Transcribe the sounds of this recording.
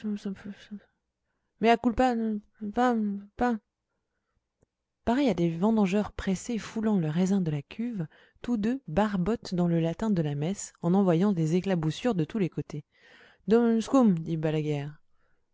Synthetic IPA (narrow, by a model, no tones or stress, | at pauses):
s | mɛakulpa | fɛ̃pɛ̃ | paʁɛjad̪evɑ̃d̪ɑ̃ʒœʁpχesefulɑ̃ləʁɛzɛ̃d̪əlakʲʰyv | t̪ud̪øbaʁbɔt̪d̪ɑ̃ləlat̪ɛ̃d̪əlamɛsɑ̃nɑ̃vwajɑ̃d̪ezeklabusyʁd̪ət̪ulekot̪e | d̪ɔmnskumd̪ibalaɡɛːʁ